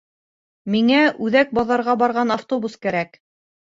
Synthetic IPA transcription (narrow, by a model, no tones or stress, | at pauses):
miŋæʉðæk̚bɑðɑɾʁɑbɑɾʁɑnaft̪obuskæɾæk